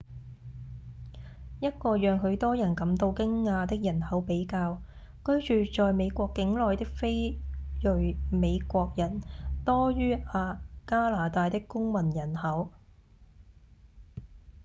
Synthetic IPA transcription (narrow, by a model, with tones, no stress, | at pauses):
jɐ˥t̚kɔː˧jœː˨ŋɦɵ˨˧ɥt̪ɔː˥jɐ˨˩nkɐ˨˧˥mt̪o˧wkɪ˥ŋːaː˧t̪ɪ˥k̚jɐ˨˩nhɐ˨˥wpe˨˥jkaː˧w | kɵ˥ɥt͡ʃyː˨t͡ʃɔː˨˧jme˨˧jkʷɔː˧kːɪ˨˥ŋlɔː˨jt̪ɪ˥k̚fe˥jjɵ˨ɥme˨˧jkʷɔː˧k̚jɐ˨˩nt̪ɔː˥jyː˥aː˧kaː˥laː˨t̪aː˧jt̪ɪ˥kkːʊ˥ŋmɐ˨˩njɐ˨˩nhɐ˨˥w